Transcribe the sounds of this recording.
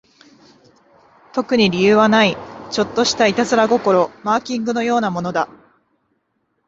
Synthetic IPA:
t̪o̞kɯ̟ɲ̟iɾʲijɯ̟ːβanait͡ɕo̞t̪ːo̞ɕi̥t̪ait̪azɨɾaɡo̞ko̞ɾo̞maːkʲĩŋɡɯ̟no̞jo̞ːnamo̞no̞d̪a

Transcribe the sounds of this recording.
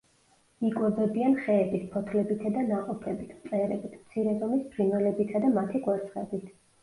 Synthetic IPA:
ikʼwɛbɛbianχɛːbispʰɔt̪ʰlɛbit̪ʰad̪anaqʼɔpʰɛbit̪ʰmt̪sʼɛɾɛbit̪ʰmt̪sʰiɾɛzɔmisbʰɾinvɛlɛbit̪ʰad̪amat̪ʰiɡwaɾt̪sʰʼχʼɛbit̪ʰ

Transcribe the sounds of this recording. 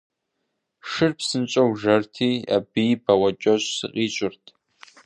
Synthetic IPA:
ʂɨrpʰsɨnt͡ʃʼɐwʒɐrtʰiːa̰bibɐwɐd͡ʒʼɐɕʼsɨ̰qʼit͡ʃʷʼʊrtʰ

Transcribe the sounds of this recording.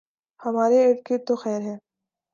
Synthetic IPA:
hɐmaːɾeeːʈket̪oxɛːɾɦɛː

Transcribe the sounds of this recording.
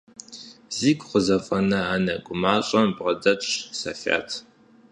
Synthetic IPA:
ziːɡʷʼχʷəzɐfʼɐnɐaːnɐɡʷʼʊmaːɕʼɐmbʁɐdɐɕsɐ̰fa̰ːtʰ

